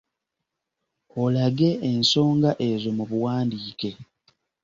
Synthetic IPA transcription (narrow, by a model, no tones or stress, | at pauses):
olaɡe̞ːnso̞ːŋɡaʔe̞zo̞muβuwaːndiːke̞